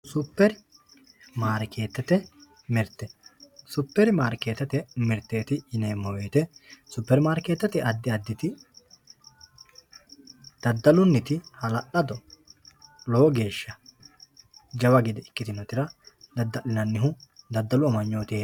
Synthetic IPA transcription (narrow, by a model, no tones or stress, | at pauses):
sʊpːɛɾ | maːɾke̞ːt̪ːɐt̪ɛ | mɪɾt̪ːɛsʊpːɛɾmaːɾke̞ːt̪ːɐt̪ɛmɪɾt̪ːeːt̪ɪɪneːmːɔweːt̪ɛsʊpːɛɾmaːɾke̞ːt̪ːɐt̪ɪʔɐd̪ːɪɐd̪ːɪt̪ɪ | d̪̥ɐd̪ːɐlʊnːɪt̪ɪhɐlɐʔɐd̪ɔ | loːɡe̞ːʃːɐ | d͡ʒɐwɐɡɪd̪ɛɪkːɪt̪ɪnɔt̪ɪɾɐ | d̪ɐd̪ːɐʔɪnɐnːɪɦʊd̪ɐd̪ːɐlʊɐmɐɲːoːt̪eː